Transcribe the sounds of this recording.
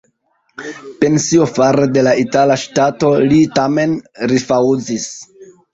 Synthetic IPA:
pe̞nsiofaɾede̞laitalaʃtato̞litame̞nɾifawzis

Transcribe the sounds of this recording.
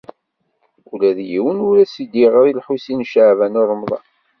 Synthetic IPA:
ulæðjiwənuɾæsid̪iʁəɾˤilħusinʃaʕvænorˤəmðˤɑ̰

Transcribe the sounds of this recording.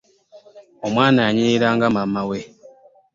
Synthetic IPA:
omwaːnaːɲiɾaːŋɡamamawe

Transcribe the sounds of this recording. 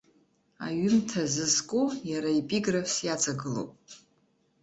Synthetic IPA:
a̰ɥʏmtʰazɨzkʷʼujaɾaepʼiɡrafsjat͡sʼaɡɨlo̰wpʼ

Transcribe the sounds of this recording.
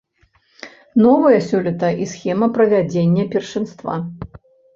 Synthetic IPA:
nɔvɐjɐsʲulʲit̪ɐʔisxʲɛmɐpɾɐvʲad͡zʲenʲːɐpʲɛrʂɨnst̪va̰

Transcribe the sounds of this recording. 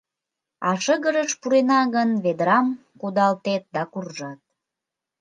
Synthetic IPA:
ɑʃəɣəɾəʃpuɾenɑɣənβed̪ɾɑm | kud̪ɑlt̪et̪̚d̪ɑkurʒɑt̪̚

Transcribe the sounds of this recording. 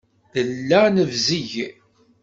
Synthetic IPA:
θəlːænəvziʝ

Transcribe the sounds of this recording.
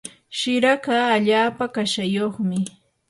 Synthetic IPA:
ʃɪɾakaːʎaːpakaʃajoχmɪ

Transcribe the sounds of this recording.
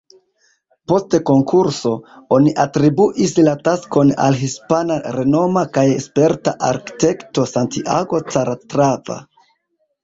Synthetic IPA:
po̞steko̞ŋkuɾso̞o̞niʔatɾibuʔislatasko̞na̰lɦispanaɾe̞no̞makajespe̞ɾtaʔaɾki̥te̞kto̞santiʔaɡo̞t͡saɾatɾava̰

